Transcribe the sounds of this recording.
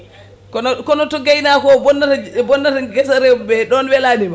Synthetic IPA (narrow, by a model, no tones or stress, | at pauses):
kɔnɔkɔnɔtɔɡajnakɔbɔnːatabɔnːataɡɛsaɾɛbɛɗɔnwɛlanima